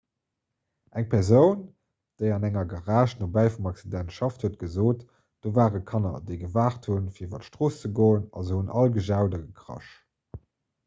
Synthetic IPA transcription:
ʔæŋpʰɛʁzəʊn | d̥əɪɑnæŋɐɡɑʁaːʃnobæɪfumɑksidæntʃɑfthuət̚ɡ̥əzoːt | d̥oːvaːʁəkʰɑnɐ̰dəɪɡəvaːχtʰhunfiːɐivɐtʃtʁoːst͡səɡoːənɑ̰zəhunʔɑlɡəʒaʊdɐɡəkʰʁɑ̰ʃ

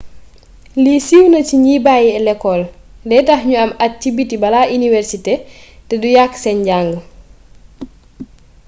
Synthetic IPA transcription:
lisiwnɐciɲiːbajiɛlɛkːɔl | dɛtahɲuɐmat̚cibitibɐlaʔiniwɛɾsitɛtɛdujaksɛɲɟaŋɡə

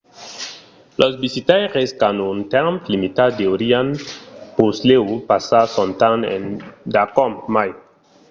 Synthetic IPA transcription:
lʔosbisitajʁeskanuntɛmplimitadeoɾianpusleupasasɔntanḛndakɔmmaj

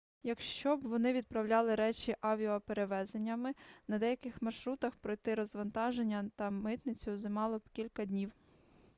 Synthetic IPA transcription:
jɐkʃt͡ʃɔbʋɔnɪʋʲid̪̚pɾɐwlʲɑlˠɪɾɛt͡ʃʲiʔɑʋʲiɔpeɾeʋɛzenʲːɐmɪnɐd̪ɛjɐkɪxmɐrʃɾut̪ɐxpɾɔjt̪ɪɾɔzʋɐnt̪ɑʒe̞nʲːɐt̪ɐmɪt̪nɪt͡sʲʊzɪmɑlˠɔpkʲilʲkɐd̪ʲnʲiw

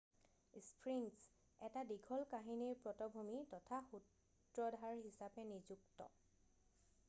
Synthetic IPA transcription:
spʰɹins | ɛtadiɡʱɔlkaɦiniɹpɹɔtɔbʱumitɔtʰaxut | ɹɔdʱaɹɦisapɛnizuktɔ̰

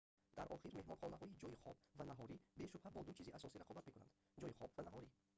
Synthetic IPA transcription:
d̪̥aɾʔɔχiɾme̞hmɔnχɔnaɦɔid͡ʒɔjiχɔbvanaɦɔɾibe̞ʃubhæbɔd̪ut͡ʃʰiziʔasɔsiɾaqʰɔbat̪me̞kuna̰nd̪ | d͡ʒɔjiχɔbvanaɦɔɾi

